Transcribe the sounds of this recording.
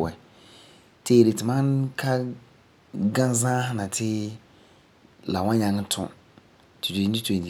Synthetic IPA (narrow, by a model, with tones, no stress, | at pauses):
wɛ˨ | tʰe˦˨ɾe˨tʰɪ˨mã˦nkʰa˦ | ɡã˦zã˦hã˦nã˨tʰɪ˦ | la̰˨wã˦ɲã˨ŋ˦tʰʊ̰̃˦˨ | tʰu˨du˨i˨˦i˦tʰẽ˨i˨